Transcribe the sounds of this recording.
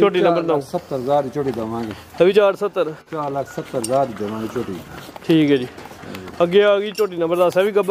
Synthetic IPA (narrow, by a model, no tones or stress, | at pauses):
t͡ʃoːʈ̬iːnɐ̃mbəɾnãːsɐt̪ːəɾzaːd̪it͡ʃoʈiːd̪ɐmãːɡe | ɐʋit͡ʃaːɾsɐt̪ːəɾt͡ʃaːɾlɐkʰsɐt̪ːəɾzaːd̪id̪ɐmãːɡit͡ʃoːʈiʈʰiːkɛːd͡ʒḭːɐɡeːaːɡiːt͡ʃoːʈ̬iːnɐmbəɾd̪aːsɐʋikɐb